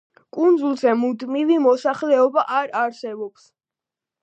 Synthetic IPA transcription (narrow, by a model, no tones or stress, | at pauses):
kʼund̪zulˠzɛmud̪mivimɔsaχlɛɔbaʔaɾaɾsɛbɔps